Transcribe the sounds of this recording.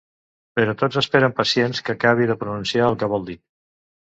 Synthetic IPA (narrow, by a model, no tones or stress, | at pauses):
pəɾɔt̪ozəspeɾəmpəsienskəkaβ̞iðəpɾununsiaəlˠkəβ̞ɔlˠd̪i